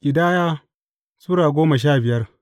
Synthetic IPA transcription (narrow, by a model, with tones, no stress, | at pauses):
kʲʼɪ˨daː˦jaː˦ | suː˦ɽaː˨ɡʷoː˦mɐ˨ʃ̬aː˦˨bɪ˨jɐ˦r